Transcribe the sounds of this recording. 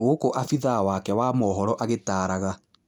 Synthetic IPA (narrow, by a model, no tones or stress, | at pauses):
ɣokoʔafiðawakɛwaːmɔːɦɔɾɔʔaɣetaːɾaɣa